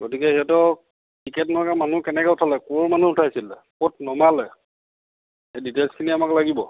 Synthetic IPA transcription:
ɡotikɛɦiatɔ | kikɛtnɔkamanukɛnɛkɛʊtʰalɛkumanuʊtʰasilɛ | kot̚nɔmalɛ | editelskʰiniamaklaɡibɔ

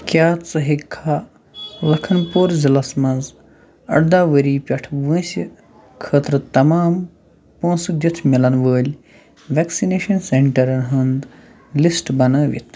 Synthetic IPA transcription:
kʲjaːt͡sɐɦikʰːaː | ʋɐkʰɐnpoːɾzilɐsmɐnz | ɐ̰ɽd̪aːʋəɾiːpʲɐʈʰʋə̃ːsʲi | kʰəːt̪ɾɨt̪ɐmaːm | põːsɨd̪ʲit̪ʰmilɐnʋəːlʲ | ʋeːksineːʃɐnseɳʈɐɾɐnɦɐnd̪ | lisʈbɐnɐːʋḭt̪ʰ

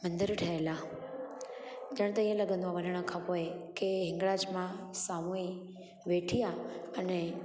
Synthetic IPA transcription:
mɐ̃nd̪ɪɾʈʰɐela | d͡ʑɐɽ̃t̪ɐĩɦə̃lɐɡə̃nd̪oaʋɐnəɽ̃əkʰãpoːekeɦɪ̃ŋɡɽaːd͡ʑmãsaːmoi | ʋeʈʰijaɐnɛ

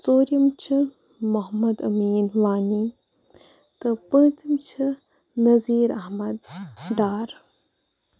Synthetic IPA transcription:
t͡soːɾjɐmt͡ʃʰi | mɐɦmɐd̪ɐmiːnʋaːni | t̪ɨpə̃ːt͡simt͡ʃʰi | nɐziːɾɐɦmɐd̪ɖaːɾ

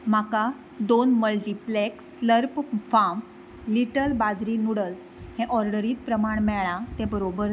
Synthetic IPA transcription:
m̤aka | d̪onməlʈipleksləɾpfam | liʈəlbad͡zɾiːnuɽəlshɛ̃ʔɔɾɖəɾiːt̪̚pɾəmaɳmɛɭãt̪ɛ̃bəɾobəɾ

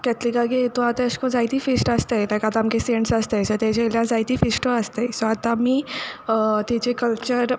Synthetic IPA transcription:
kɛt̪likaɡeet̪oat̪aəɕkõd͡zajt̪iːfisʈast̪ejt̪akat̪aamkeseɳʈsast̪ejsɔt̪ed͡ʑeljãd͡zajt̪iːfisʈoəst̪esɔat̪ãmiː | t̪it͡ɕekəlt͡ɕəɾ

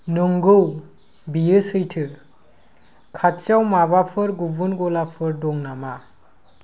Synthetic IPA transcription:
nɯŋɡɯw | bijɯsɯjtʰɯɾ | kʰatt͡ʃawmaβapʰɯɾɡubɯnɡɔlapʰɯɾdɔŋnama

